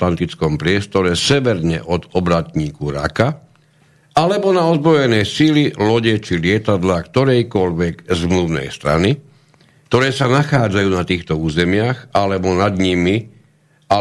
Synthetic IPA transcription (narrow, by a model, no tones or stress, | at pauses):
t̪ant̪it͡skɔmpɾɪɛst̪ɔɾɛsɛʋɛɾɲɛ̰ʔɔd̪ɔbɾat̪ɲiːkuɾa̰ka | ʔalɛbɔnaɔzbɾɔjɛnɛjsililɔɟɛt͡ʃilɪɛt̪ad̪laːkt̪ɔɾɛjkɔʎʋɛɡzmluʋnɛ̰jst̪ɾa̰ni | k̚t̪ɔɾɛːsanaxaːd͡zajuːnat̪iːxt̪ɔuːzɛmɪaxalɛbɔnad̪ɲimi | a